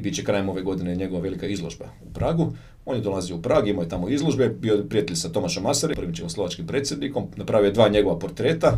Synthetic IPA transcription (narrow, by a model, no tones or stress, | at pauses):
bit͡ɕekɾaːjemo̞ʋe̞ɡo̞d̪ineɲe̞ɡoʋaʋe̞likaizlˠoʒba̰ | upɾaːɡu | o̞njed̪olazijoupɾaːɡuimaje̞t̪amoizlˠoʒbebiopɾiat̪eʎsat̪o̞maʃomaseɾepɾʋimt͡ɕekomslˠo̞ʋat͡ʃkimpɾet̪sʲje̞d̪niko̞mnapɾaʋioed̪ʋaːɲe̞ɡo̞ʋapo̞ɾt̪ɾe̞ːt̪a